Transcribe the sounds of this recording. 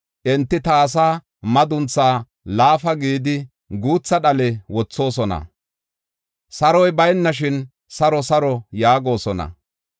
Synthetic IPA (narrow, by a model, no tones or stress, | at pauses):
ʔɛnt̪ːɪt̪ɐːs̬aː | mɐd̪ʊnt͡sːaː | laːfɐɡiːd̪ɪ | ɡuːt͡sːɐɗɐlɛwɔt͡sːo̞ːs̬ɔnɐ̰ | sɐɾɔjbɐjnːɐʃ̬ɪn | sɐɾɔsɐɾɔjaːɡo̞ːsɔnɐ̰